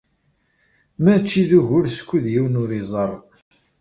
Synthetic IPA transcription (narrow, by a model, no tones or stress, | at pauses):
mæt͡ʃːiðuʝʊɾskʷːiðjiwnʊɾizˤəɾˤ